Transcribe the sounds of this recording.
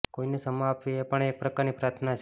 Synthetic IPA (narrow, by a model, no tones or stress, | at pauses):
koinesəmapʋiepəɳek̚pɾəkaɾnipɾat̪ʰnat͡ʃʰ